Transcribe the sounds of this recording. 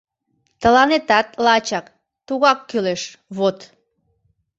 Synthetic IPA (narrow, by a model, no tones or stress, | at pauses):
t̪əlɑnet̪ɑt̪̚lɑt͡ɕɑk | t̪uɣɑkːyleʃ | βot̪